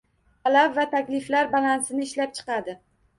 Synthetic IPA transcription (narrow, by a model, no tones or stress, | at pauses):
t̪ʰalabvat̪ʰakʲlɪflaɾbalansɪnɪɪʃlap̚t͡ʃʰɨ̥qɑd̪ɪ